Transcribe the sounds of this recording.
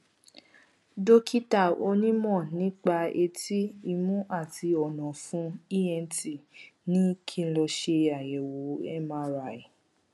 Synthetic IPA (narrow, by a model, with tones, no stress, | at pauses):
do˦kʰi˦ta˦˨o˧˦nĩ˦mɔ̃˦˨nĩ˨˦k͡pa˧e˧ti˦i˧mũ˦ʔa˦˨ti˧ɔ˨nɔ̃˨fũ˦i˦ɛ˧nti˦˨nĩ˦kʰĩ˦˧˨lɔ˧ʃe˧a˨jɛ˨wo˨˦ɛ˦mã˦ɾa˧˨i˨